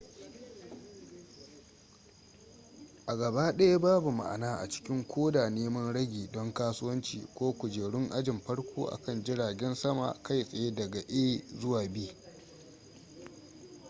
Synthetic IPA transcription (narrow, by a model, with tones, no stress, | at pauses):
ʔa˨ɡɐ˨baː˦ɗɐ˦ja˦baː˦bu˨ma̰˨ʔa̰˨naː˦ʔa̰˨t͡ʃɪ̥˦kʲɪ˦ŋkʷʰoː˦daː˨neː˦mɐ˦nɽɐ˦ɡʲiː˨dɔ˦ŋkaː˦sʊ˦wɐ˦nt͡ʃḭː˨kʷoː˦kʷʊ˨d͡ʒeː˨ɽʊ˦ŋʔa˦d͡ʒɪ˨mɸɐ˦ɽkʷʰoː˦ʔa̰˨kɐ˦˨nd͡ʒɪ˦ɽaː˨ɡʲɛ˦nsɐ˦ma̰˨ka˦˨jsʼɐ˨je˦dɐ˨ɡa˨ʔeː˦zʊ˦waː˨biː˦